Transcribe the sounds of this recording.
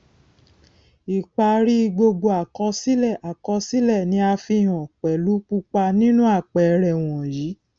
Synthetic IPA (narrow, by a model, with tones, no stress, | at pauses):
i˨k͡pa˧ɾi˦˧ɡ͡bo˧ɡ͡bo˧a˨kɔ˧˦si˦lɛ˦˨ʔa˨kɔ˧si˦lɛ˦˨nĩ˧˦a˧fi˧˨j̃ɔ̃˨k͡pɛ˨lu˨˦k͡pu˧k͡pa˧nĩ˦nũ˦a˦˨k͡pɛ˨˧ɾɛ˨w̃ɔ̃˨jiː˨˦